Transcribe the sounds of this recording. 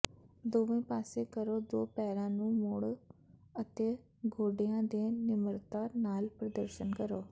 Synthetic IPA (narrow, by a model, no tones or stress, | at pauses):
d̪oːʋẽːpaːseːkəɾoːd̪oːpɛːɾãːnũːmʊɽət̪eː | ɡoːɖejãːd̪eːnɪməɾt̪aːnaːlpɾəd̪əɾʃənkəɾoː